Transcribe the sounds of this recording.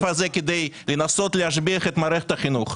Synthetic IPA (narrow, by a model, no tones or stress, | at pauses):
fhazeked̪ejlenaso̞t̪lehaʃbiɐχet̪maːɾeχet̪aχinuχ